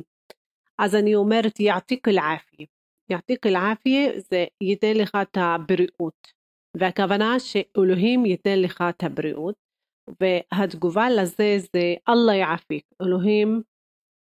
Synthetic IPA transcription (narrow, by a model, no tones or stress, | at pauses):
ʔazaniʔʊmeɾt̪jɪʕt̪ˤiːkɪlʕaːfɪje | jɪʕt̪ˤiːkɪlʕaːfɪjezejɪt̪neːlixaːt̪habɪɾɪʔuːt̪ | vɪakavanaːʃʔʊlʊɦiːmjɪt̪neːnlixat̪habɪɾɪʔuːt̪̚ | vɪɦad̪ɡʊvalʔazezeʔɑlˤːɑjʕafiːkʔʊlʊɦiːm